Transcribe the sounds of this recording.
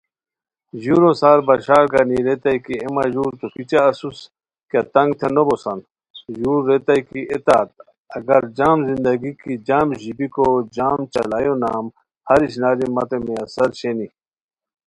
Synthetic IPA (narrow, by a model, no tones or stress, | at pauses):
ʑuɾosaːɾbɐɕaːɾɡaniɾet̪aikiemaʑuːɾt̪opit͡ɕaːsus | kat̪ɐŋɡt̪ʰenobosɐn | juːɾːet̪ajkiʔet̪aːt̪ | ɐɡɐɾd͡ʑaːmzind̪ɐɡikid͡ʑaːmʑibikod͡ʑaːmt͡ɕɐ̰laːjonaːm | hɐɾiɕ̬naːɾimɐt̪emeɐsɐɾɕeni